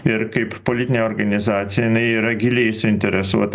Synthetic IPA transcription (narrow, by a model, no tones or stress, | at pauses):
ɪɾkɐɪppolʲɪt̪ʲɪnʲeɔːɾɡɐnʲɪzɑːt̪sʲɪjɛjɪnɐɪiːɾɐɡʲɪlʲɛɪsʊɪnʲt̪ʲɛɾʲɛsuɔt̪ɐ